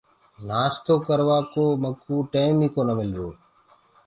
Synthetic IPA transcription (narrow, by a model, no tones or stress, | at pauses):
naːst̪oːkəɾʋaːkoːməkuːʈeːɪmiːkoːnəmɪljoː